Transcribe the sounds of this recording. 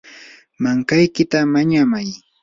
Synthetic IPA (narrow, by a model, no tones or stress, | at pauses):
maŋkajkɪt̪amaɲamaj